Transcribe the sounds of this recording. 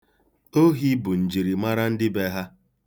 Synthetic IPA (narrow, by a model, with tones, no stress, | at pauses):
o˦ɦi˦bʊ˨n̩˨d͡ʒi˨ɾi˨ma˦ɾa˦n̩˦dɪ˦be˦ɦa˦